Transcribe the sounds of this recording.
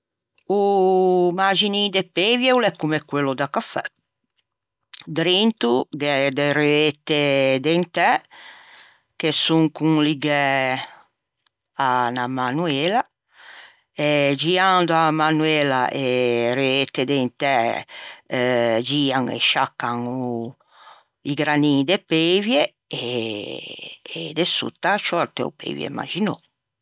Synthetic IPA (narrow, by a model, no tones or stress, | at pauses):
u | mad͡ʒinid̪epevjɛwlɛkːumɛkːwelːod̪akafɛ | d̪ɾent̪uɡɛd̪eɾeet̪ːed̪ent̪ɛ | kesuŋkuŋliɡɛ | anamanuela | ed͡ʒiand̪oamanwelaʔeɾet̪ed̪ent̪ɛ | d͡ʒiːaŋḛʃakːaŋu | iɡɾanid̪epevje | e | d̪esṵt̪ːaʃɔɾt̪eo̰pḛvjḛma̰d͡ʒino